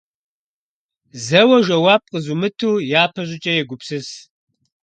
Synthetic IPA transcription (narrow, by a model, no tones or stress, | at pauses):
zɐwɐʒɐwaːp̚qʼəzumɨtʰuːjaːpʰɐɕʷʼɪt͡ʃʼɐjɛɡʷʊpsɨs